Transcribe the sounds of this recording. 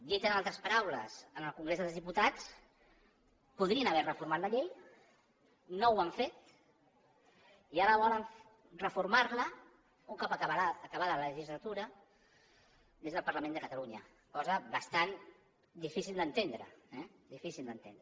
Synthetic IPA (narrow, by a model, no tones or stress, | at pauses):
d̪it̪ənalˠt̪ɾəspəɾawlə̰zənəlˠkuŋɡɾezðəlˠzðiput̪at͡s | puðɾiənəβɛrəfuɾmat̪ləʎej | nowaɱfet̪̚ | iaɾəβɔləɱ | rəfuɾmaɾlə | uŋkɔpəəβaːkəβaðələʒizlət̪uɾə | ðezðəlˠpəɾləmẽnd̪əkət̪əluɲə | kɔzəβəst̪an | d̪ifisilˠd̪ənt̪end̪ɾə̰ɛ | d̪ifisilˠd̪ənt̪end̪ɾə